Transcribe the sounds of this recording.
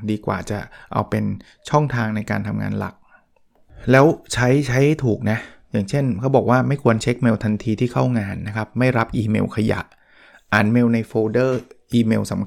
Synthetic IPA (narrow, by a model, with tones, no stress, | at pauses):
diː˧kwa̰ː˨˩t͡ɕa˨˩ʔa̰˧wpe˧n | t͡ɕʰɔ˥˩ŋt̪ʰaː˧ŋna˧jkaː˧nt̪ʰa˧mŋa̰ː˧nla̰˨˩k̚ | lɛː˦˥wt͡ɕʰa˦˥jt͡ɕʰa˦˥jht̪ʰuː˨˩k̚na˦˥ʔjaː˨˩ŋt͡ɕʰe˥˩nkʰa˦˥wbɔː˨˩k̚waː˥˩ma˥˩jkʰu˧ənt͡ɕʰe˦˥k̚me˧wt̪ʰa˧nt̪ʰiː˧t̪ʰiː˥˩kʰa˥˩wŋaː˧nːa˦˥kʰa˦˥p̚ma˥˩jɾa˦˥p̚ʔiː˧mḛː˧wkʰa˧ja̰˨˩ʔ | ʔaː˩nmeː˧wna˧jfoː˧dɤː˥˩ʔiː˧meː˧wsa˩˦m